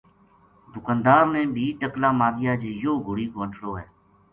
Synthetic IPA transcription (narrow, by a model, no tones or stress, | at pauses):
d̪ʊkãːnd̪aːɾmẽːbʱiːʈəklaːmaːɾɪjaːd͡ʒejoːɡʱʊɽiːkoːəʈʰɽoːɦɛː